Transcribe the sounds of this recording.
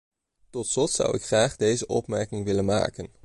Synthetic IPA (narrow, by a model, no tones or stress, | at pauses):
tɔtslɔtsʌ̰wɪkχraːχdejzəʔɔ̰pmɛɹkɪŋʋɪlənma̰ːkən